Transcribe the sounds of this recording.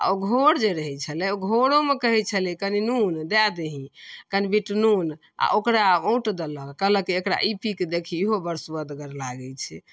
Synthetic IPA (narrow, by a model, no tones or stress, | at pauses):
a̰oɡʱoɽd͡ʒeɾəɦɛt͡ʃʰəlɛoɡʱoɽomekəɦɛt͡ʃʰəlikəninund̪ad̪eɦĩkənibiʈnun | a̰ʔokɾaõuʈd̪ələkələkeekɾa̰ʔipʰikd̪ekʰiːɦobəɾsuəd̪ɡəɾlaɡɛt͡ʃʰɛ